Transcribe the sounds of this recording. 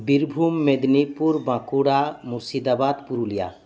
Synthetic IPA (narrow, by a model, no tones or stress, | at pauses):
biɾbʱumːed̪nipuɾbãkuɽamusid̪abad̪puɾulija̰